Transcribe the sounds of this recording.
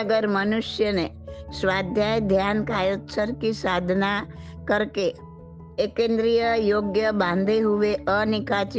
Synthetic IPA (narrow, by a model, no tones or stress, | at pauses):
əɡəɾmənuʃjənesʋad̪ʱjajd̪ʱjankajot̪səɾkisad̪ʱna | kəɾkeː | kẽnd̪ɾijəjoɡjəbãnd̪ʱeɦuʋeʔənikat͡ʃ